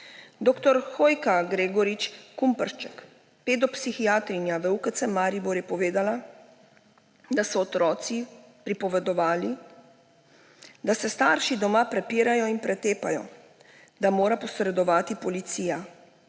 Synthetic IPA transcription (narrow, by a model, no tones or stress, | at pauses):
d̪oːkt̪ɔɾxoːjkaɡɾeːɡɔɾit͡ʃkumpəɾʃt͡ʃɛk | peːd̪ɔpsixiaːt̪ɾinjaʋəukət̪sɛmaːɾibɔɾjɛpɔʋeːd̪ala | d̪asɔːt̪ɾɔːt̪si | pɾipɔʋɛd̪ɔʋaːli | d̪asɛst̪aːɾʃid̪ɔmaːpɾɛpiːɾajɔinpɾɛt̪eːpajɔ̰ | d̪amoːɾapɔsɾɛd̪ɔʋaːt̪ipɔlit̪siːja